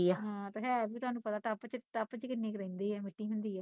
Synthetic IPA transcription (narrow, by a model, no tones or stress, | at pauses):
iɛːɦãːt̪oːɦɛ̃ːbiːt̪ʊɦaːnũːpət̪aːt̪apːt͡ʃəʈəpːt͡ʃkɪnːeːkɾɛ̃ːnd̪eːɛːmɪʈːiːɦʊ̃nd̪iːɛː